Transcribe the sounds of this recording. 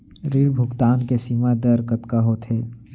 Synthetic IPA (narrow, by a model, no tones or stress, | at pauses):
ɾiɾbʱʊɡt̪aːnkesiːmad̪əɾkət̪kaɦot̪ʰɦeː